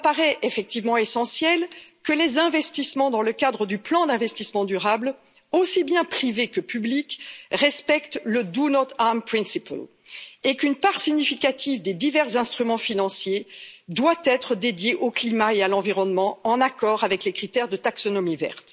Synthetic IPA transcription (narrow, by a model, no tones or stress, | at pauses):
apaʁɛʔefɛk̚t̪ivmɑ̃esɑ̃sjɛlkəlezɛ̃vɛst̪ismɑ̃d̪ɑ̃ləkad̪ʁəd̪yplɑ̃d̪ɛ̃vɛst̪ismɑ̃d̪yʁabl | osibjɛ̃pχivekəpyblikʁɛspɛkt̪ləd̪unɔt̪ampχɛ̃nsipa̰l | ekynpaʁsiɲifikat̪ivd̪ed̪ivɛʁzɛ̃st̪χymɑ̃finɑ̃sjed̪wat̪ɛt̪χəd̪ed̪jeʔoklimaealɑ̃viʁɔnmɑ̃ɑ̃nakɔʁavɛklekχit̪ɛʁd̪ət̪aksɔnɔmivɛ̰ʁt̪